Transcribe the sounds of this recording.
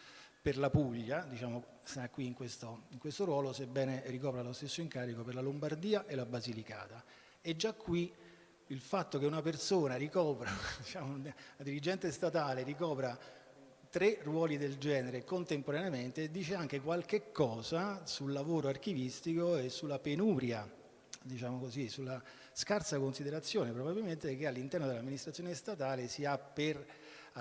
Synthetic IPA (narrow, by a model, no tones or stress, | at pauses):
perlapuʎːad̪it͡ʃaːmo | sakːwiːŋkwest̪oiŋkwest̪oɾwɔːlosebːɛːnerikɔːpɾalost̪esːoiŋkaːɾikoperlalombard̪iːaʔelabazilika̰ːt̪a | ed͡ʒːakːwi | ilfat̪ːok̟eunapersoːnarikɔːpɾad̪it͡ʃaːmonad̪iɾid͡ʒːɛnt̪est̪at̪aːleɾikɔːpɾa | t̪ɾerwɔːlid̪eld͡ʒɛːneɾekont̪empoɾaneament̪ed̪ːiːt͡ʃeaŋk̟ekwalk̟ekːɔːzasulːavoːɾoark̟ivist̪ikoesːulːapenuːɾja | d̪it͡ʃaːmokozisulːa | skarsakonsid̪eɾat̪sːjoːnepɾobabilment̪ek̟ealːint̪ɛrnod̪elamːinist̪ɾat̪sjonest̪at̪aːlesiapːer